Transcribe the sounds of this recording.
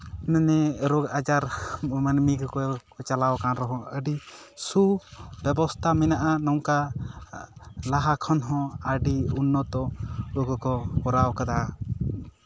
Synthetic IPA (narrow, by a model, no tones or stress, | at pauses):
nənɛɾɔɡad͡ʒaɾmənmikkɔkɔt͡ʃalawkanɾɔɦɔ̃əɖi | subɛbɔst̪ʰamɛnaʔanɔŋka | laɦakʰɔnɦɔ̃aɖiunːɔt̪ɔɔkɔkɔpɔɾawkad̪a